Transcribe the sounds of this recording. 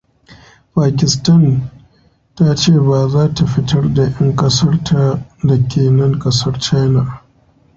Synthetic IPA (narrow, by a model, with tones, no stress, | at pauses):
paː˨kʲɪ˨stɐ˦˨n | ta˦t͡ʃeː˦˨baː˨zaː˦ta˨ɸɪ˦tɐ˦rda˨ʔɐ˦ŋkʼɐ˦sɐ˦rtʰa˨da˨kʲʰeː˨nɐ˦ŋkʼɐ˦sɐ˦rt͡ʃa˦jna˨